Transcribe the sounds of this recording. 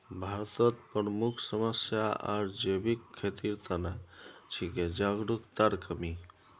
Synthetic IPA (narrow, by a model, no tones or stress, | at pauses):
bʱaɾt̪ət̪̚pɾəmukʰsəməsjaʔa̰ɾd͡ʒebikʰːet̪iɾt̪ənat͡ʃʰiked͡ʒaɡɾukt̪aɾkəmi